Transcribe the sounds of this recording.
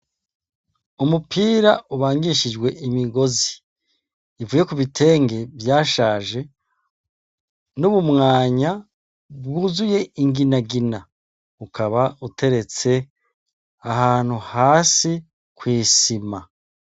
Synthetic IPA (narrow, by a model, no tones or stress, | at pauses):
umupʰiːɾaʔuβaːŋɡiʃid͡ʒɡwe̞imiɡo̞ziː | vuːje̞kuβitʰe̞ːŋɡe̞bjaːʃaːʒe̞ | nuβumŋaːɲa | bɡuzuje̞iŋɡinaɡina | ukʰaβautʰe̞ɾe̞t͡se̞ | aɦaːn̥huhaːsi | kwiːsima